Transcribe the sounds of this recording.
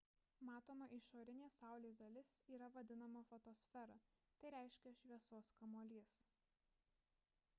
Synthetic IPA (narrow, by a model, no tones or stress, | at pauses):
mɑːt̪oːmɐʔɪʃoːɾʲɪnʲeːsɑˑʊlʲeːzd̪ɐlʲɪsiːɾɐʋɐd̪ʲɪnɐmɐfɔt̪oːsʲfʲɛɾɐ | t̪ɐɪɾʲæˑɪʃʲkʲɛʃʲʋʲiɛsoːskɐmoːlʲiːs